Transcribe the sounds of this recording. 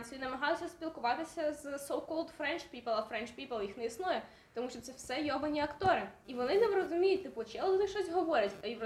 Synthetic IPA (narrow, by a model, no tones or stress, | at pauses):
nʲsʲinɐmɐɦɑjʊːɐspʲilˠkʊʋɑt̪ɪsʲɐzsowkɔlˠd̪fɾɛnt͡ʃpʲipɛlˠɐfɾɛnt͡ʃpʲipelˠjixnɛisnɔjɛ | t̪ɔmuʃt͡ʃɔt̪sɛwsɛjɔbɐnʲiɐkt̪ɔɾɪiʋɔnɪnɛʋrɔzʊmʲijʊt̚ʲt̪ɪpʊt͡ʃɛɔlnɪʃt͡ʃɔsʲɦɔʋɔɾʲɐtʲɐi